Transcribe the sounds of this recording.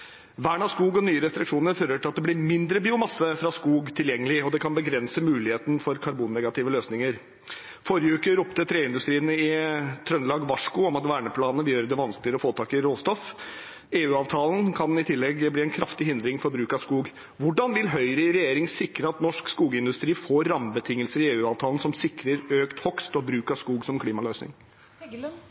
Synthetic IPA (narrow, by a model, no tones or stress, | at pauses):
ʋæːɳɑskuːɡɔnyːəɾɛst̪ɾɪkʂuːnəɾføɾəʈʰɪlɑt̪̚d̪ɛb̪ɪɾmɪnd̪ɾəbiːʊmɑsːəfɾɑskuːɡt̪ʰɪljɛŋːəlɪɔd̪ɛkʰɑnbəɡɾɛnsəmʉːlɪheːt̪n̩fɔɾkʰɑɾbuːnːɛɡɑt̪ɪʋəløːsnɪŋəɾ | fɔɾjəʉːkəɾʊpt̪ət̪ʰɾeːɪnd̪ʉst̪ɾiːənəɪt̪ʰɾœnlɑːɡʋɑʂkʊɔmɑt̪ʋæːɳəpʰlɑːnəʋɪljøːɾəd̪ɛʋɑnsklɪəɾɔfoːt̪ʰɑːkɪɾoːst̪ɔf | eːʉːɑːʋt̪ʰɑːlən̩kʰɑnɪt̪ʰɪlːɛɡbliːɛnkʰɾɑft̪ɪhɪnd̪ɾɪŋfɔɾbɾʉːkɑskuːɡ | ʋʊɖɑnʋɪlɦœʏɾəɪɾɛjeːɾɪŋsɪkɾəɑt̪nɔʂkskuːɡɪnd̪ʉst̪ɾiːfoːɾːɑmbət̪ʰɪŋːəlsəɾɪeːʉːɑːʋt̪ʰɑːlən̩sɔmsɪkɾəɾøːkt̪hɔkst̪ɔbɾʉːkɑskuːɡsɔmkʰliːmɑløːsnɪ̰ŋ